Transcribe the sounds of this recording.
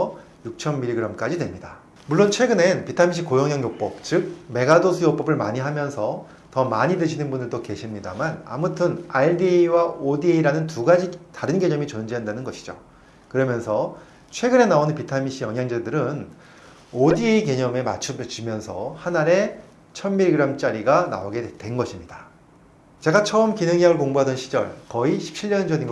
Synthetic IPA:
ʌ | juk̚t͡ɕʰʌmːiɾiɡɯɾamk͈ad͡ʑidwe̞mɲida | muɭːont͡ɕʰwe̞ɡɯnenpitʰamiɕʰikojʌŋjaŋjok̚p͈ʌp̚t͡ɕɯk̚me̞ɡadosʰɯjok̚p͈ʌbɯɭma̰ɲiɦamjʌnsʰʌ | tʌmaɲidɯɕʰinɯnbundɯɭtoke̞ɕʰimɲida̰mana̰mutʰɯnaiɭdiwaodiiɾanɯntuɡad͡ʑitaɾɯnɡe̞ɲʌmit͡ɕʌnd͡ʑeɦandanɯnɡʌɕʰi̥d͡ʑo̰ | kɯɾʌmjʌnsʰʌ | t͡ɕʰwe̞ɡɯne̞naonɯnpitʰamiɕʰijʌŋjaŋd͡ʑadɯɾɯn | odieike̞ɲʌme̞ma̰t͡ɕʰut͡ɕumjʌnsʰʌ̰hanaɾe̞ | t͡ɕʰʌnbiɭɡɯɾamt͡ɕ͈aɾiɡana̰oɡe̞twe̞nɡʌɕʰimɲida | t͡ɕe̞ɡat͡ɕʰʌɯmkinɯŋaŋɯɭkoŋboɦadʌnɕʰid͡ʑʌ̰ɭkʌiɕʰi̥p̚t͡ɕʰiɭːʌnd͡ʑʌɲin

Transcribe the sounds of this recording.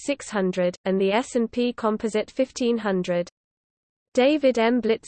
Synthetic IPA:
sɪkshʌ̃ndɹədə̃nðiɛsɛ̃npʰiːkʰɒ̃mpʰəzɪtfɪftʰĩnɦʌ̃ndɹəd | d̥eɪvɪdɛ̃mblɪts

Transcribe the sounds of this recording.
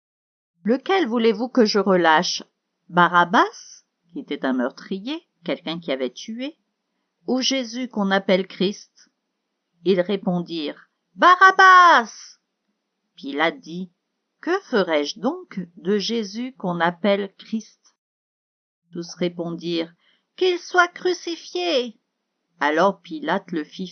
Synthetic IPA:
ləkʲɛlvulevukəʒəʁəlaʃ | baʁabas | kʲiet̪ɛt̪ɛ̃mœʁt̪χije | kʲɛlkʲɛ̃kʲiavɛt̪ye | uʒezykɔ̃napɛlkχist̪ | ilʁepɔ̃d̪iʁ | baʁabas | pilat̪̚d̪i | kəfəʁɛʒd̪ɔ̃kd̪əʒezykɔ̃napɛlkχist̪ | t̪usʁepɔ̃d̪iʁ | kilswakχysifje | alɔʁpilat̪ləfi

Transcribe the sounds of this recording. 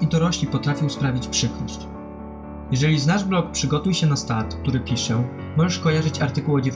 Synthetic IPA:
id̪ɔɾɔɕlʲipɔt̪ɾafʲiwspɾavʲit͡ɕpʂɘkɾɔ̰ɕt͡ɕ | jɛʐɛlʲiznaʐblɔk̚pʂɘɡɔt̪ujɕɛnast̪at̪k̚t̪uɾɘpʲiʂɛ | mɔʐɛʂkɔjaʐɘt͡ɕaɾt̪ɘkuwɔd͡ʑɛ

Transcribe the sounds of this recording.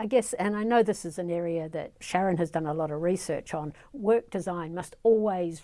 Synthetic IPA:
aɪɡɛsɨ̃naɪnoʊðɪsɨzɨ̃nɛɹiɨðɨ̰t̚ʃæɹɨ̃nɨzdʌ̃nəlɔɾʌvɹisɜ̰˞t͡ʃn̩ | wɜ˞k̚d̥ɨzãɪ̃nmʌstɔlˠwiz̥

